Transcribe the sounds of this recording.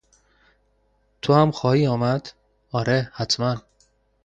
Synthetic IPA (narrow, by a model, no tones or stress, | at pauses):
t̪ʰohæmxɒːhiːɒːmæd̪̥ | ɒːɾehæt̪ʰmæn